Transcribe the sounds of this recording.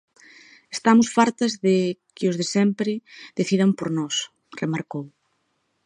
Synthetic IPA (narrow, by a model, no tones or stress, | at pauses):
est̪amʊsfaɾt̪ɐzðɪkɪʊzðesɛmpɾɪðeθið̞ɐmpoɾnɔs | remaɾkow